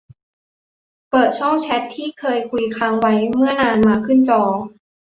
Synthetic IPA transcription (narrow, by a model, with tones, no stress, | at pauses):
pɤː˨˩t̪̚t͡ɕʰɔ˥˩ŋt͡ɕʰɛ˦˥t̪ʰːiː˥˩kʰɤː˧jkʰu˧jkʰaː˧ŋwa˦˥jmɯ˥˩ɐnaː˧nmaː˧kʰɯ˥˩nt͡ɕɔː˧˩